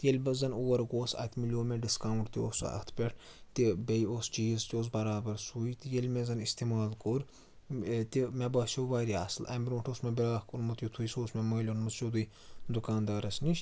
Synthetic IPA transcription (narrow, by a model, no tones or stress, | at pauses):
t̪jelʲbɐzɐnuːɐɾɡoːsɐ̰t̪ʰmilʲoːmeɖiskaːwɳʈt̪ioːsɐ̰kt̪ʰpʲeʈʰ | t̪ibɐjost͡ʃiːzt̪ʲoːs̬bɐɾaːbɐɾsujt̪ijɐlʲmezɐnist̪imaːlkoɾ | t̪imebaːʃʲoʋaːɾia̰ːslʔɐ̰mbʲiɾʲũːʈʰoːsmebiɾaːhkunmɐt̪jut̪ʰujsoːsmemɐːlʲonmɐt̪ʃod̪uj | d̪ukaːnd̪aːɾɐsniʃʲ